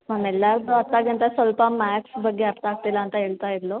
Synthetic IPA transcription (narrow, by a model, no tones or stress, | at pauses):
mamɛlːaɾt̪oɐt̪ːaɡənt̪asʋəlpamæksbəɡːeɐɾt̪ak̚t̪ilaːnt̪aɦeːɭt̪aiɾlo